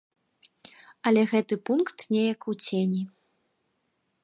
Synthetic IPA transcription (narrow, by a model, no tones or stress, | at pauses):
ɐlʲɛɣɛt̪ɨpunkt̪nʲɛjɐkut͡sʲenʲi